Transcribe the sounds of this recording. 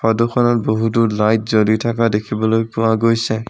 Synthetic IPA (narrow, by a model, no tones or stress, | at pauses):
xɔdokʰɔnɔt̚boɦuduɹlajt̚zolitʰakadekʰibɔlojpʊwaɡojsɛ